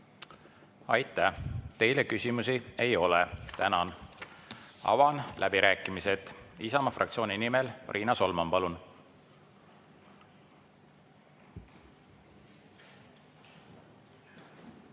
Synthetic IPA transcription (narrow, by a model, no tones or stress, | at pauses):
ɑjt̪ːˑæt̪e̞jlekysʲimusie̞jo̞let̪ænɑn | ɑ̰vɑnlʔæb̥iɾæːkːˑimise̞t̪ˑisɑmɑfrʔɑ̰kt̪sio̞ːnʲinimelrʔiːnɑso̞lmɑmpɑlun